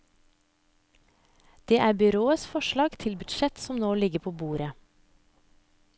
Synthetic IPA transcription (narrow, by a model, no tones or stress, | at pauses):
d̪̥eːʔæːbʏɾoːəsfɔʃlɑːɡt̪ʰɪlbʉd̪ʃɛt̪sɔmnoːlɪɡəpʰoːbuːɾə